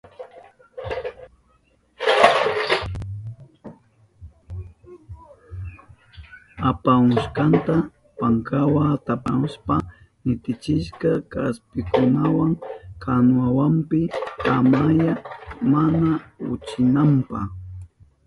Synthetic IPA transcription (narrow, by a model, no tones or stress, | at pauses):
apamʊʃkant̪a | paŋkawat̪apaʊspa | nɪt̪ɪt͡ʃɪʃkakaspɪkʊnawaŋkʰanwawampɪkamajamanaʊ̰t͡ʃɪnampa